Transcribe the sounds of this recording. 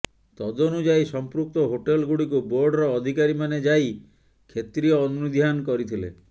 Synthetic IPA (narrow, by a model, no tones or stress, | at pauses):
t̪ɔd̪onud͡ʒajsɔmpɾuk̚t̪ɔɦoʈelɡuɽikuboɾɖɾɔːd̪ʱikaɾimaned͡ʒaj | kʰet̪ɾiɔːnunud̪ʱjankɔɾit̪ʰilḛ